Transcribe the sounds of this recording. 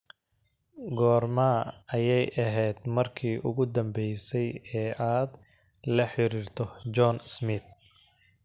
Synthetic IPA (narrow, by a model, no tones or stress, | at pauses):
ɡɔːrmaːɐjɛjʔɐɦɛjd̪mɐrkʰiːʔʊɣʊd̪ɐmbɛjsɛjɛːaːd̪ | lɐħɪɾiːrt̪ʰɔd͡ʒɔnsmɪt̪